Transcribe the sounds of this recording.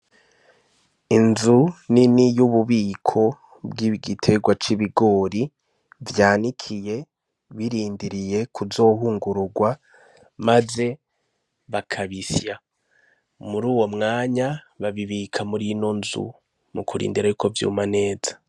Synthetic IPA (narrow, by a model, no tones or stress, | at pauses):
inzuninijuβuβiːkʰo̞ | bɡiɡitʰe̞ɡwat͡ʃiβiɡo̞ːɾi | vjaːnikʰije̞ | βiɾiːndiɾije̞kʰuzo̞ːɦuːŋɡuɾuɡwa | maze̞ | βakʰaβisja | muɾuːwo̞mŋaːɲa | βaβiβikʰamuɾino̞nzṵ | mukʰuɾḭːndiɾajuko̞vjṵːmane̞ːzḁ